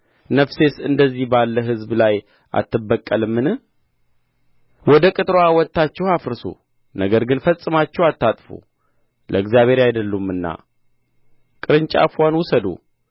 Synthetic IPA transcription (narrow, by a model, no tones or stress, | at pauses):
nəfse̞sɨnd̪əzːihbalːəɦɨzblaj | ʔa̰t̪ʰːɨbːəkʼːəlɨmːɨnɨ | wɔd̪əkʼɨt̪ʼɾoawɔt̪ːat͡ʃːɛwafɾɨso̰ | nəɡəɾɡɨnfəsʼːɨmat͡ʃːɛwat̪ːat̪ʼfṵ | lʔəɨɡzjaβe̞ɾajd̪əlːumːɨnːa̰ | kʼɨɾɨɲt͡ʃʼa̰fwanwʊsəd̪ṵ